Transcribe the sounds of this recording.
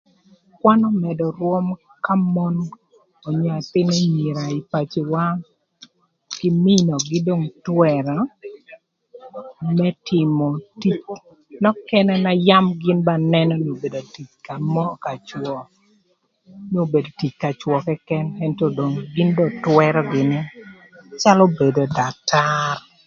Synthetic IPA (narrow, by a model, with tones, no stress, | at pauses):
kwa˦nɔ˦mɛ˨dɔ˨ɾwo˦m | ka˦mɔ˦n | ɔ˨ɲa˨tɪ˦ne˦ɲi˨ɾa˨i˨pa˨t͡ʃe˨wa˦ | kɪ˦mɪ˦nɔ˨ɡɪ˦do˦˨ŋtwɛ˨ɾa˨ | mɛ˦tʰɪ˨mɔ˨ti˦t͡ʃ | nɔ˦kɛ˦nɛ˦na˦ja˦mɡɪ˦nba˦nɛ˦nɔ˦n˨o˨be˨do˨ti˨t͡ʃka˨mɔ˦ka˨t͡ʃwɔ˨ | no˦˨be˨do˨ti˨t͡ʃka˨t͡ʃwɔ˨kɛ˦kɛ˦nɛ˦ntɔ˦do˨ŋɡɪ˦ndɔ˦twɛɾɔ˦ɡɪ˨nɪ˦ | t͡ʃa˦lo˦be˨do˨da˨tar